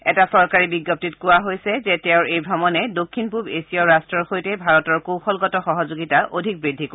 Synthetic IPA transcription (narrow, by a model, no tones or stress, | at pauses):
ɛtasɔɹkaɹibiɡːop̚titkʊwaɦojsɛzɛtɛʊɹejbʱɹɔmɔnɛdokʰːinpubesijɔɹastɹɔɹxojtɛbʱaɹɔtɔɹkõxɔlɡɔtɔxɔɦɔzoɡitaʔodʱik̚bɹidʱik